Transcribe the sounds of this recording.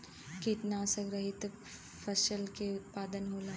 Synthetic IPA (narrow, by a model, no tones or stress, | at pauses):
kit̪nasəɡɾəɦit̪ | fəsəlkeut̪̚pad̪ənɦoːla